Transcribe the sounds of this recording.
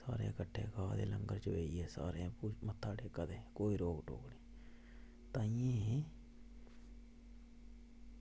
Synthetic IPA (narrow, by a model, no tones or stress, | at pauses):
sa̰ːɾḛːkəʈʰːeːkaːd̪ḛːləŋɡəɾt͡ʃəʋeːieːsa̰ːɾẽːpuːmət̪ʰːaːɖeːkəd̪eːkoːiːɾoːɡʈo̰ːkniː | t̪ãːiẽː